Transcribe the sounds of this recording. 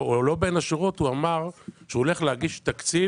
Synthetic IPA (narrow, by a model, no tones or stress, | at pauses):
olo̞be̞naʃiʁothuamaʁʃeuole̞χlehaɡiʃt̪akt͡si